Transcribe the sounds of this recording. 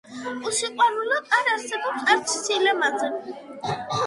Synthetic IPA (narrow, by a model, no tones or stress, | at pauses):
usiqʼwanulɔaɾaɾsɛbɔpsaɾt͡ʃʰsilɛmazɛn